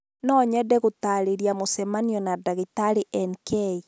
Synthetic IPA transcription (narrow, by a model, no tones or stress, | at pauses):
nɔɲɛdɛɣotaɾeɾjamosɛmaniɔnadaɣitaɾeʔɛnkʰɛi